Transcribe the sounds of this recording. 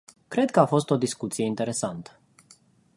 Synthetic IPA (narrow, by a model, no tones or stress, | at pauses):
kɾe̞d̪̚kəafo̞st̪o̞d̪iskut̪sijeint̪e̞ɾe̞sant̪ə̥